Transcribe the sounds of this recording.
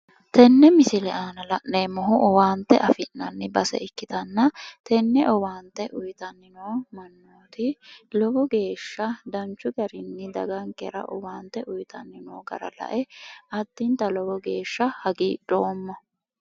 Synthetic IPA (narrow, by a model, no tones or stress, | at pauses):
t̪ɛnːɛmɪsɪlɛʔaːnɐlɐʔneːmɔɦʊʔɔwaːnt̪ːɛʔɐfɪnnɐnːɪbɐsɛ̰ɪkːɪt̪ɐnːɐt̪ɛnːɛʔɔwaːnt̪ːɛʔʊjt̪ɐnːɪnoːmɐnːoːt̪ɪlɔbɔɡe̞ːʃːɐd̪ɐnt͡ʃːʊɡɐɾɪnːɪd̪ɐɡɐŋkɛɾɐ̰ʔɔ̰waːnt̪ːɛʔʊjt̪ɐnːɪnoːɡɐ̰ɾɐ̰lɐ̰ʔɛʔɐd̪̥ːɪnt̪ɐlɔbɔɡe̞ːʃːɐhɐɡiːᶑo̞ːmːɐ